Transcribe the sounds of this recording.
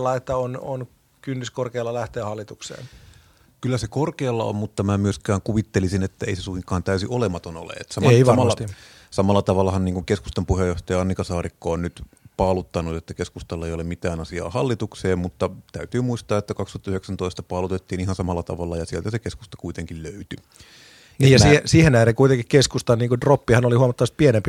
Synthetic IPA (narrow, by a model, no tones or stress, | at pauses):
lːɑet̪ːæonon | kynːyskorkeːlːɑlæht̪eːhɑlːit̪uksḛːn | kylːæsekorkeːlːɑo̰mmut̪ːɑmæmyøskæːŋkuʋit̪ːelisinet̪ːæeisesuhiŋkːˑɑːnt̪æysiʔolemɑt̪ono̰lḛet̪sɑmeʋɑmɑːɑ | sɑmɑlːɑt̪ɑʋɑlːˑɑhɑnniːŋkuŋkeskust̪ɑmpuhejoht̪ɑjɑɑnːikɑsɑːrikːoonnyt̪ | pɑːlut̪ːɑnut̪et̪ːækeskust̪ɑlːɑeijolemmit̪æːnɑsiɑ̰ːhɑlːit̪ukseːmmut̪ːɑt̪æyt̪yːmuist̪ɑːet̪ːækɑkst̪uɑt̪ːyheksænt̪oist̪ɑpɑːlut̪et̪ːiːnihɑnsɑmɑlːɑt̪ɑ̰ʋɑlːɑjɑsielt̪æsekesku̥st̪ɑ̥kuit̪eŋkilløyt̪y | neiːjɑsiesiːhenæːreŋkuit̪eŋkikkeskust̪ɑniːŋkudropːihɑnolihuɑmɑt̪ːɑʋɑst̪̚pienempi